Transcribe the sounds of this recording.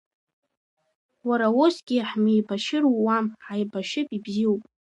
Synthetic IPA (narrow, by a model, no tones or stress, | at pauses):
waɾawosɡʲɪħmijbaʃɪɾuwamħajbaʃɪpʼibziwpʼ